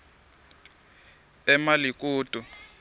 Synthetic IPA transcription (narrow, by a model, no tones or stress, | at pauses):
ɛmalik̬ʼuːtʼu